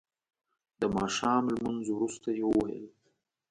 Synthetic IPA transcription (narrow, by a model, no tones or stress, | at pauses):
d̪əmɑʃɑːmlmanzowɾust̪ajewəwajə̰l